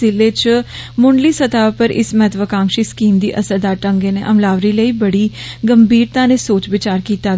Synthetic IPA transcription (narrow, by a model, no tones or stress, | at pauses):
ɪleːt͡ʃ | mʊɳɖliːsət̪aːpəɾʔɪ̰smɛt̪ʰʋəkãːŋkʃiːskiːmd̪ḭːʔəsəd̪aːʈə̃ŋɡeːneːʔəmlaːʋɾiːləiːbəɽiːɡəmbiːɾt̪ãːneːsoːt͡ʃʋɪt͡ʃaːɾkiːt̪aː